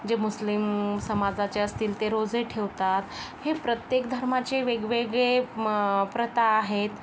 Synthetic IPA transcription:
d͡ʑemuslimsəmad͡zat͡ɕeəst̪iːlt̪eɾod͡zeʈʰeʋt̪at̪hepɾət̪jekd̪ʱəɾmat͡ɕeʋeɡʋeɡɭe | pɾət̪aːɦet̪

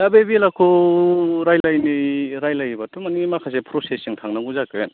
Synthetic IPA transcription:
abebilakʰo | ɾajlajniɾajlajbatumanimakʰas̬epʰɾosesiŋtʰaŋnaŋuzaken

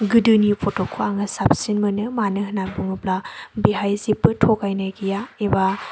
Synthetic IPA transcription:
ɡɯdɯnipʰɔtokʰuaŋɯsap̚sinmɯnɯmanɯɦɯnabuŋɯplabiɦajzipːɯtʰɔkajnajɡijaeba

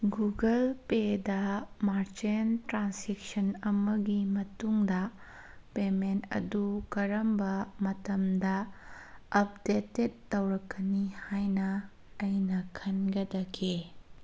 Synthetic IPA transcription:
ɡuɡɐlpedɐmaɾt͡ʃentɾansek̚sɐnɐmɐɡimɐtuŋdɐ | pementɐ̰dukɐɾɐmbɐmɐtɐmdɐ | ɐp̚detːet̚ːɐwɾɐkːɐnihajnɐː | jnɐkʰɐnɡɐdɐkʰe

